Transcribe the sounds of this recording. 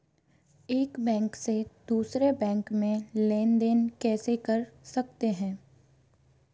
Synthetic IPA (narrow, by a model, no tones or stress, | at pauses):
eːkbɛ̃ːŋksed̪̥uːsɾebɛ̃ːŋkmẽleːnd̪eːnkɛːsekɐɾsɐkt̪eɦɛ̃ː